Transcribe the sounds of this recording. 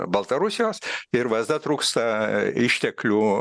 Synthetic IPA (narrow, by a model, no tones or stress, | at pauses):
bɐlˠt̪ɐɾʊsʲɪjoːsɪɾʋɐzd̪ɐt̪ɾuːkst̪ɐɪʃʲt̪ʲɛklʲuː